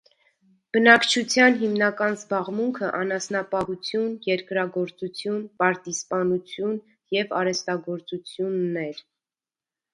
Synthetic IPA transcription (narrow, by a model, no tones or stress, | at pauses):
b̥ənɑkt͡ʃʰut͡sʰjɑnɦimnɑkɑnzbɑʁmuŋkʰəʔɑnɑsnɑpɑɦut͡sʰjunjɛɾkɾɑɡɔɾt͡sut͡sʰjunpɑɾt̪ispɑnut͡sʰjun | jɛvɑɾɛst̪ɑɡɔɾt͡sut͡sʰjunːɛɾ